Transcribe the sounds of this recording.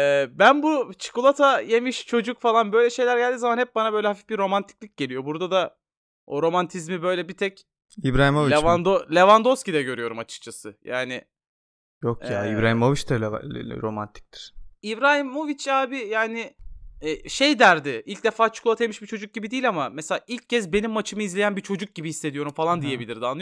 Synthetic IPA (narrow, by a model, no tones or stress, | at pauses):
ɛːbænbut͡ʃʰɯ̥kulˠat̪ʰaje̞miʃt͡ʃʰo̞d͡ʒukfalˠanbø̞jlʲɛʃe̞jlʲæɾɟælʲd̪iːzamanhɛp̚banabø̞jlʲɛhafifbiɾo̞mant̪ʰi̥c̚lʲic̚ɟ̥elʲijo̞buɾd̪ad̪a | oɾo̞mant̪ʰizmibø̞jlʲɛbit̪ʰɛc | ibɾaːɦimolvilʲevand̪olʲevand̪oscid̪ɛɟø̞ɾyjo̞ɾumat͡ʃʰɯ̥k̚t͡ʃʰasɯjaːnɪ | jokjaːibɾaːɦimovit͡ʃd̪ɛɾo̞mant̪ʰi̥c̚t̪ʰi̥ɾ̥ibɾaːɦimo̞vit͡ʃaːbɪjaːnɪɛːʃejd̪æɾd̪ɪʔilʲc̚d̪efaːt͡ʃʰu̥kulˠat̪ʰajmɯʃbit͡ʃʰo̞d͡ʒuk̚ɟibid̪iːlʲamamɛselʲaːʔilʲccːɛzbenimːat͡ʃʰɯmɯizlʲe̞jænbit͡ʃʰo̞d͡ʒuk̚ɟibihisːe̞d̪ijo̞ɾumfalˠand̪ije̞bilʲiɾd̪anːˠɯ